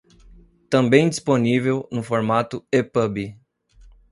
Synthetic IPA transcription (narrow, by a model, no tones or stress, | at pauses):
t̪ɐ̃bẽj̃d͡ʒisponivewnʊfoɾmat̪ʊepəbi